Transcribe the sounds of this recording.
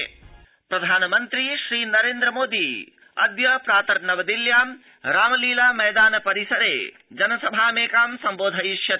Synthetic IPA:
pɾɐd̪ʱaːnɐmɐnt̪ɾiʃɾiːnɐɾeːnd̪ɾɐmoːd̪i | ɐ̰d̪jɐpɾaːt̪ɐɾnɐʋɐd̪iljaːm | ɾaːmɐliːlaːmɐjd̪aːnɐpɐɾisɐɾḛː | d͡ʒɐnɐsɐbʱaːmeːkaːmsɐmboːd̪ʱɐiʃjɐ

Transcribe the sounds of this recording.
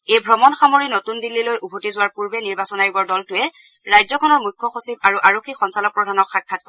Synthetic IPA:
ejbʱɹɔmɔnxamoɹinotundilːilojubʱotizʊwaɹpuɹbɛniɹbasɔnaɹiɡɔɹdɔltʊɛ | ɹajzɔkʰɔnɔɹmujkʰːɔxosib̚aɹuʔaɹokʰːixɔnsalɔk̚pɹɔdʱanɔkxakʰːat̚kɔ

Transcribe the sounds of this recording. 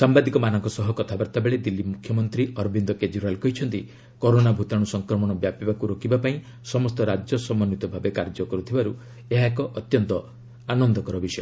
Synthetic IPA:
sambad̪ikɔmanɔŋkɔsɔɦɔkɔt̪ʰabaɾt̪abeɭed̪ilːimukʰːjɔmɔnt̪ɾiʔɔɾbind̪ɔked͡ʒuɾalkɔɦit͡ʃʰɔnt̪i | kɔɾonabʱut̪aɽ̃usɔŋkɾɔmɔɽ̃ɔbjapibakuɾokibapaĩ | sɔmɔst̪ɔɾad͡ʒjɔsɔmɔnːit̪ɔbʱabekaɾd͡ʒɔkɔɾut̪ʰibaɾu | eɦaekɔʔɔt̪jɔnt̪ɔ | anɔnd̪ɔkɔɾɔbisɔjɔ

